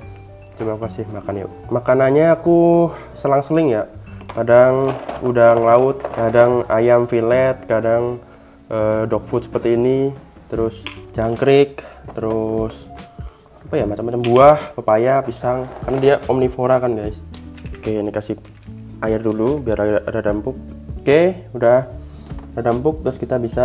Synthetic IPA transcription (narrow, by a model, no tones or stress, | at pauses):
t͡ʃəbap̚kasɪhmakana̰makananɲaːku | səlaŋsəlɪŋjakadaŋudaŋlaʊt̪̚kadaŋajamfilɛt̪̚kadaŋ | ədɔk̚fut̪̚sə̥pərt̪iːni | t̪əɾʊsd͡ʒaŋkɾɪk̚t̪əɾʊs | apajamat͡ʃamːat͡ʃambuahpəpajapisaŋkarnadiaʔɔmnifoɾakanɡajskeinikasi | ajɪrdulubiarudahdampʊk̚ | kehudah | dahdampʊk̚t̪əɾʊskit̪abisa